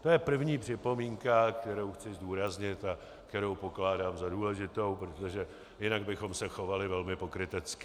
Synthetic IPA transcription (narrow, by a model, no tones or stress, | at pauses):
t̪o̞jɛpr̩vɲiːpr̝̥ɪpo̞miːŋkakt̪ɛɾo̞wxt͡sɪzduːɾazɲɪt̪a | kt̪ɛɾo̞wpo̞klaːdaːmzaduːlɛʒɪt̪o̞wpɾot̪o̞ʒɛ | jɪnaɡ̚bɪxo̞msɛxo̞valɪvɛlmɪpo̞kɾɪt̪ɛt͡skɪ